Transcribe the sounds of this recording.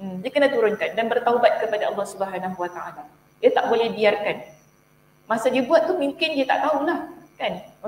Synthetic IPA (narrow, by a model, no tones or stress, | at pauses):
m̩diakənat̪uɾʊnkandanbərt̪awbat̪̚kəpadaʔɑlˠːɑhsubəɦanaɦuwat̪aʔala | jat̪aʔbolɛhbiarkan | mãsadiəbuat̪̚k̪umũŋkɪniat̪a̰ʔt̪aulahkan